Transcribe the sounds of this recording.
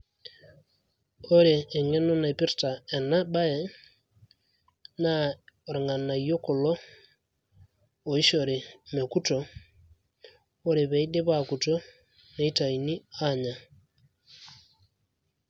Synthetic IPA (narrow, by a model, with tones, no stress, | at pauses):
o˦ɾeː˨ŋe˦no˦na˨i˨pi˦ɾta˨e˨na˦ɓa˦e˨ | na˦ɾe˨ŋa˨na˨ijo˦ko˨lo˦ | o˨i˦ʃo˨ɾe˨me˨ku˦to˨ | o˦ɾe˨βe˨i˦ɗe˦βaku˨to˦ | ne˨i˦ta˨i˨ni˦a˦ɲa˨